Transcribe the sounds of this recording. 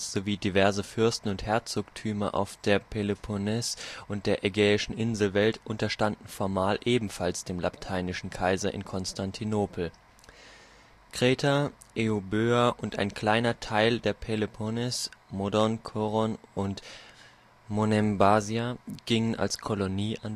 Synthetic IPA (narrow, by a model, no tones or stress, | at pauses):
z̥oviːdivɛɐzəfʏɐstn̩ʊnthɛɐt͡soktʰyːmɐʔa̰ʊfd̥eːɐpʰelepʰonɛsʔʊnt̚d̥eːɐʔɛɡɛːɪʃn̩ʔɪnzl̩vɛltʔʊntɐʃtandn̩fɔɐmaːlʔeːbm̩falsd̥eːmla̰ptʰaɪnɪʃn̩kʰaɪzɐʔɪ̰nkʰɔnstʰantʰinoːpl̩ | kʁ̥eːtʰa | ʔeobøːaʔʊnta̰ɪnkl̥aɪnɐtʰaɪldeːɐpʰelepʰonɛsmodɔnkʰoʁɔnʔʊnt | monɛmbaziaɡ̥ɪŋənʔa̰lskʰɔloniːʔan